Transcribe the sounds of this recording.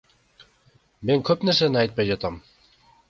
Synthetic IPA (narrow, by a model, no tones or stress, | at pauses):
meŋkʰɵpnæɾsænɘɑjt̪̚pɑjʒɑt̪ɑm